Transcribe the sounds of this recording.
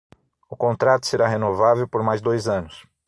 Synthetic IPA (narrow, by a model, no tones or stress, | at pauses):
ʊkõnt̪ɾat̪ʊ̥seɾaɦenovavewpoɾmajzd̪ojzɐ̃nʊs